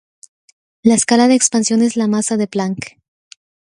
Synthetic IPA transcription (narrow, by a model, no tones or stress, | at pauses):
laeskalaðe̞ːkspansjo̞ne̞zlamasaðe̞plaŋk